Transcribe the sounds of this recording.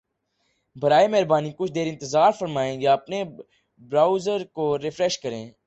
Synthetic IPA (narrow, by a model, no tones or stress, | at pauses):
bʱəɾaːemɛɦɾbaːniːkʊt͡ʃʰd̪eːɾɪ̃nt̪ɪzaːɾfəɾmaːẽːjaːɐpne | bɾaːʊzəɾkoːɾɪfɾɛʃkəɾẽː